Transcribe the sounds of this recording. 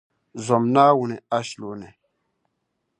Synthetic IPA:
zo˨mna˦wu˨ne˨a˦ʃlo˨ne˨

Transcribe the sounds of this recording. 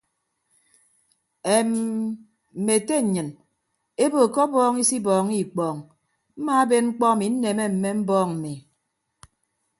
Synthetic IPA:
e˨m | m̩˨me˨te˦˨ɲɨ˨n | e˦bo˨kɔ˦bɔː˦ŋi˦si˦bɔː˨ŋi˦˨k͡pɔː˨ŋ | m̩˦maː˦a˦be˦nŋ͡m̩˦k͡pɔ˦˨mi˨˦n̩˦ne˨me˦m̩˨me˦m̩˦bɔː˦˨ŋm̩˨mi˨

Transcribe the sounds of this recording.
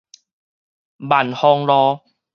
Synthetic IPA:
ba˨˩nhɔ˧ŋlɔː˧˦

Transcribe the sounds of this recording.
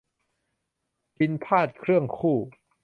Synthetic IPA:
ki˧npʰaː˥˩t̪̚kʰɾɯ˥˩əŋkʰuː˥˩

